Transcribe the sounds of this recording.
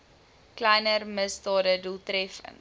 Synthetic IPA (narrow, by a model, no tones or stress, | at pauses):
klɛjnərməsdɑːdədulˠtrɛfə̰n